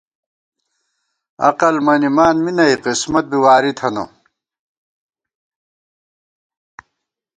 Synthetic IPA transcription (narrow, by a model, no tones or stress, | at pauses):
ɐ̰qɐlmɐnimaːnminɐiqismɐt̪̚biwaːɾit̪ʰɐno̰